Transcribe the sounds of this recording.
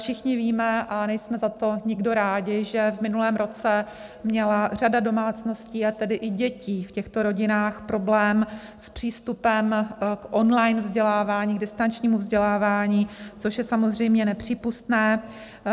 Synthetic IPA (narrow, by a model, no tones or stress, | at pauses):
fʃɪxɲɪviːmɛʔanɛjsmɛzat̪o̞ɲɪɡdo̞ɾaːɟɪʒɛvmɪnulɛːmɾo̞t͡sɛ | mɲɛlar̝adado̞maːt͡sno̞sciːat̪ɛdɪʔɪɟɛciːfcɛxt̪oɾo̞ɟɪnaːxpɾo̞blɛːm | spr̝̥iːst̪upɛmkʔo̞nlajnvzɟɛlaːvaːɲiːɡdɪst̪ant͡ʃɲiːmuvzɟɛlaːvaːɲiːt͡soʃjɛsamozr̝ɛjmɲɛnɛpr̝̥iːpust̪nɛː